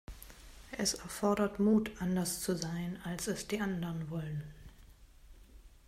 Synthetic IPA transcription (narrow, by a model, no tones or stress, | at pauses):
ʔɛsɛɐfɔɐɾɐtmuːtʔandɐst͡suzaɪnalsɛsd̥iːʔandəʁənvɔlən